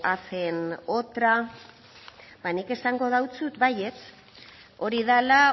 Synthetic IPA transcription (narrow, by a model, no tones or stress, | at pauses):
afe̞not̪ɾa | banike̞saŋɡo̞ð̞awt͡sut̪baje̞t͡s | o̞ɾiðala